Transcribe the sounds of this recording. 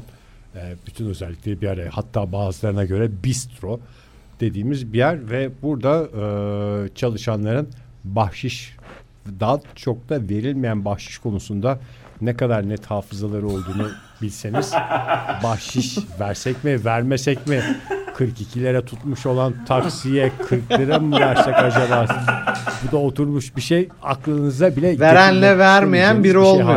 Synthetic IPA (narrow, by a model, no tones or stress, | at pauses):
ɛːb̥yt̪ʰynø̞zɛlʲːiclʲe̞ɾibiaɾahat̪ʰːaːbaːzɯlˠaɾɯnaɟø̞ɾɛbist̪ɾo̞ | d̪̥e̞d̪iːmizbijæɾvɛbuɾd̪aɯːt͡ʃʰalˠɯʃanlˠaɾɯn | bahʃɯʃ | d̪aːt͡ʃʰo̞k̚t̪ʰave̞ɾilʲmijænbahʃɯ̥ʃkʰo̞nusund̪a | nɛkad̪aɾnɛt̪haːfɯzalˠaɾɯo̞lˠd̪uːnu | bilʲseniz̥bahʃɯʃvæɾsɛcmivæɾmɛsɛcmikʰɯɾkicʰilʲe̞ɾɛt̪ʰut̪muʃo̞lˠant̪ʰaksijɛkʰɯɾklˠɯɾamɯvæɾsɛkad͡ʒalˠaɾbud̪aot̪ʰuɾmuʃbiʃej | a̰klˠɯnɯzd̪abilʲɛveɾænlʲɛvæɾmejænbiɾiolˠ